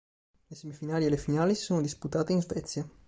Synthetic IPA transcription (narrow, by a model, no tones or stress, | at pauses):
lesemifinaːlielefinaːlisi̥soːnod̪isput̪aːt̪einzvɛt̪sja